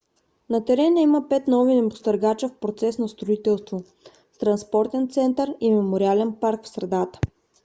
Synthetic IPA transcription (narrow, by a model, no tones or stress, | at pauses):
nɐt̪ɛɾɛnəiməpɛt̪nɔvinɛbʊst̪əɾɡat͡ʃəfpɾot̪sɛsnɐst̪ɾoit̪ɛlˠst̪vo | st̪ɾɐnspɔɾt̪ɛnt̪sɛnt̪əɾimɛmoɾialɛnpaɾkfsɾɛd̪at̪ə̥